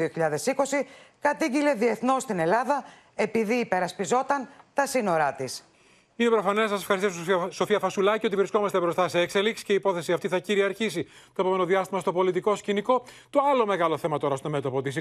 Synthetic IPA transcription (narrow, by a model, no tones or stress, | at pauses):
ioçiʎɐðe̞siko̞sikɐt̪iɟile̞ðie̞θno̞st̪ine̞lɐðɐ | e̞piðiːpe̞ɾɐspizo̞t̪ɐnt̪ɐsino̞ɾɐt̪is | inepɾo̞fɐnesːɐsfxɐɾst̪isso̞fiɐfɐsulɐcio̞t̪ivɾisko̞mɐst̪ebɾo̞st̪ɐseːkse̞liksi̥ce̞ipo̞θe̞siɐft̪iθɐciɾiɐɾçisi | t̪o̞epo̞me̞no̞ðiɐst̪imɐst̪opo̞lit̪iko̞sciniko̞t̪o̞ɐlo̞me̞ɣɐlo̞θe̞mɐt̪o̞ɾɐst̪o̞me̞t̪opot̪is